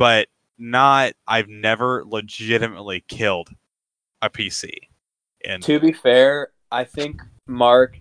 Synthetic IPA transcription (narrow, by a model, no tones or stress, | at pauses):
b̥ʌt̚ | nət̚ʔaɪvnɛvə˞ləd͡ʒɪɾɨmə̰tˡlikʰɪlˠd | ɨpʰisḭ | ʔɨ̰̃ntʰɨbifɛɹ | ʔaɪθɪ̃ŋk | mɑɹk